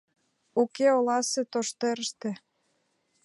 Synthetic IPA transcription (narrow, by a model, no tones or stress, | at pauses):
ukeolɑset̪oʃt̪eɾəʃt̪ĕ